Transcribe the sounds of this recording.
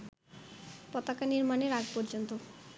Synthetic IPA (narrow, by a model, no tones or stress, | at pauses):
pɔt̪akaniɾmaneɾaɡpɔɾd͡ʑont̪o